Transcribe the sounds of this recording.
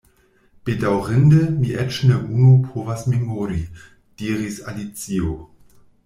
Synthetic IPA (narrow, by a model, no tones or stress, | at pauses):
b̥edawʁɪndəmiʔɛt͡ʃneʔunupʰoːvasmemoɾi | d̥iːʁisa̰lit͡sio